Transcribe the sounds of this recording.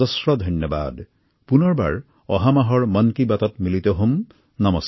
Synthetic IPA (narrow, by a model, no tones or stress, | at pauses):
ɔsɹɔd̪ʱɔnjɔba̰d̪ | punɔɹba̰ɹ | ɔɦamaɦɔɹmʌnkibat̪ɔtmilit̪ɔɦum | namɔs